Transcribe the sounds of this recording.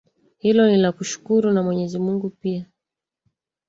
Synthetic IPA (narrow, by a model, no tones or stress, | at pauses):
hilɔnilakuʃu̥kuɾunamwɛɲɛzimuŋɡupia